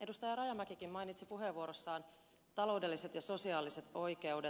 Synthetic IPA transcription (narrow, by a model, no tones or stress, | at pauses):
ʔe̞dust̪ɑjɑɾɑjɑmækikimmɑjnit̪sipuɦe̞ʋːuoɾosːɑːn | t̪ɑlo̞wde̞lːise̞t̪jɑso̞siɑːlise̞t̪o̞jke̞wde